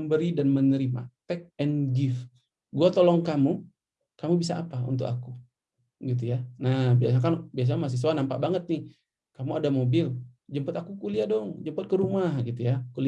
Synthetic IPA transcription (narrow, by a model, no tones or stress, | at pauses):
mbəɾidanmənəɾima̰t̪ɛk̚ɛnɡɪf | ɡuat̪olɔŋkamu | kamubisaa̰paṵnt̪ʊkaku | ɡit̪̬ujanabias̬akanbias̬aɲamas̬is̬uanampa̰ʔbaŋət̪̚nɪh | kamuadamobɪld͡ʒəmpət̪akukuliadɔŋd͡ʒəmpət̪̚kəɾumahɡit̪ujakuli